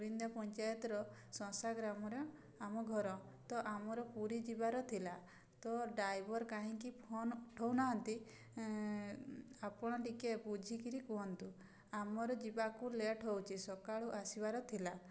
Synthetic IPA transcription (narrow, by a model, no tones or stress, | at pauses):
ɾind̪apɔɲt͡ʃajɔt̪ɾɔsɔ̃saɡɾamɔɾɔ | amɔɡʱɔɾɔt̪ɔʔamɔɾɔpuɾid͡ʒibaɾɔt̪ʰila | t̪ɔɖajbɔɾkaɦĩŋkipʰonʈʰɔwnaɦɔnt̪i | apɔɽ̃ɔʈikebud͡ʒʱikiɾikɔɦɔnt̪u | amɔɾɔd͡ʒibakuleʈʰɦowt͡ʃʰisɔkaɭuʔasibaɾɔt̪ʰila